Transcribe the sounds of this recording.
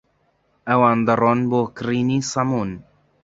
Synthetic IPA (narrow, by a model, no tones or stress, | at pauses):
ɛwaːnd̪ɨrˤoːnboːkɨriːniːsɑmuːn